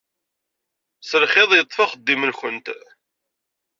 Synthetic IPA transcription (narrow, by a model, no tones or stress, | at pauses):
səlχeðˤjət̪ˤːfɑχəd̪ːiməlçənt̪